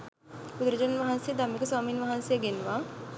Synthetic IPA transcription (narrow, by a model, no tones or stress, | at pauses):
ud̪ɾəd͡ʒənnʋaɦansejəd̪amːekəswaːmiːnʋaɦansejəɡenʋa